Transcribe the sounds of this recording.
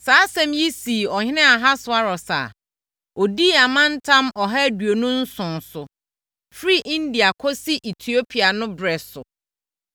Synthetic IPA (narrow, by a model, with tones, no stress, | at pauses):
saː˨˦sɛ̃˦˨mji˦si˨ɔ˨hɪ̃˦nɛ̃˦a˨ɦa˦sʊ˨a˦ɾɔ˨sa̰ː˨ | ɔ˨diː˦a˨mã˦n̩˦tʰã˦mɔ˨ɦa˦du˨o˨nʊ̃˦n̩˦sʊ̃˨nsʊ˨ | fɾi˦ʔĩ˦n˦di˨a˨kʰɔ˦si˦ʔe˨tʰi˨o˦pʰi˨a˨nʊ̃˦bɾɛ˨sʊ˨